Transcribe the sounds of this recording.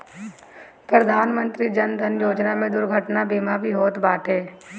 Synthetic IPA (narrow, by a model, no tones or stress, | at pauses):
pɾɐd̪ʱaːnmə̃nt̪ɾid͡ʒɐnd̪ʱənjoːd͡ʒnamẽd̪ʊɾɡʱəʈnabeːmabʱiɦoːt̪baːʈɦɛː